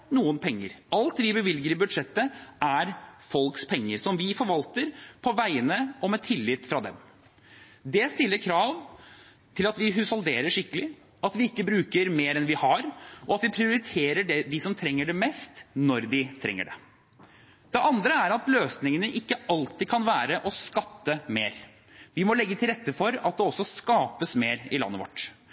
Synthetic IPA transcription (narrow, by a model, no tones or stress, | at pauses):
nuːənpʰɛŋːə̰ɾʔɑlt̪ʋɪbəʋɪlɡəɾɪbʉd̪ʂɛt̪ːəʔæɾfɔlkspʰɛŋːəɾsɔmʋɪfɔɾʋɑlt̪əɾpʰɔʋæɪənəɔmɛt̪ʰɪlːɪːt̪ːfɾɑd̪ɛ̰m | d̪ɛst̪ɪlːəɾkʰɾɑːʋ | t̪ʰɪlɑt̪ʋɪɦʉsɑld̪eːɾəʂɪkːəlɪ | ɑt̪ʋɪɪkːəbɾʉːkəɾmeːɾɛnʋɪhɑɾɔɑt̪ʋɪpʰɾɪʊɾɪt̪ʰeːɾəɖɛd̪ɪsɔmt̪ʰɾɛŋːəɖɛmɛst̪nɔɾd̪ɪt̪ʰɾɛ̰ŋːə̰ɖɛ̰ | d̪̥ɛʔɑnd̪ɾəæɾɑt̪løːsnɪŋənəʔɪkːəɑlt̪ɪkʰɑnʋæːɾəʔɔskɑt̪ːəmeːɾ | ʋɪmɔlɛɡːət̪ʰɪlɾɛt̪ːəfɔɾɑt̪̚d̪ɛɔsːɔskɑːpəsmeːɾɪlɑ̰nːəʋɔ̰ʈː